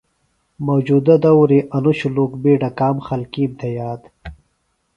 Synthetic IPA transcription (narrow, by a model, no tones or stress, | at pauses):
mowd͡ʑud̪ɐd̪ɐwɾiʔɐnuɕuluːkbeːɖɐkaːmxɐlkiːmt̪ʰɐjaːd̪